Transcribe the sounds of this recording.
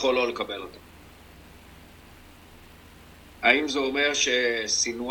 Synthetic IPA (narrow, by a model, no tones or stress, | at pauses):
χo̞lo̞le̞kabe̞lot̪am | aimzeo̞me̞ʁʃe̞sinu